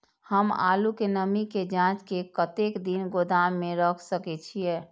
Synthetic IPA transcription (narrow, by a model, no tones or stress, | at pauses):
həma̰lukenəmiked͡ʒãt͡ʃkekət̪ekd̪inɡod̪amːeɾəkʰsəkɛt͡ʃʰijɛ